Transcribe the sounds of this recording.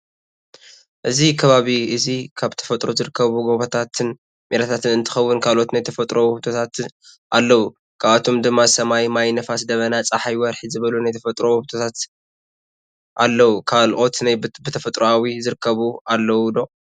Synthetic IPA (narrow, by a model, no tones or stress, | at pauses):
ʔɨzikʰɐβaβiʔɨzikʰaβt̪ʰɐ̥fɐt̪ʼɾozɨɾɨkʰːɐβuɡo̞βɐt̪ʰat̪ʰɨn | meɾat̪ʰat̪ɨnɨnt̪ʰɨ̥xɐwːʊnkʰalʔo̞t̪najt̪ʰɐfɐt̪ʼɾohut̪ʰo̞t̪ʰat̪ | ʔalːɐwu | kʰaβat̪ʰo̞md̪ɨmːaɨsɐmajmajnɐfasd̪ɐβɐnat͡sʼaħajwɐɾħizɨβɐlunajt̪ʰɐfɐt̪ʼɾohut̪ʰot̪ʰat̪ | ʔalːɐwukʰalʔo̞t̪najbɨt̪ʰɐfɐt̪ʼɾoawizɨɾɨkʰːɐβualːɐwud̪o̞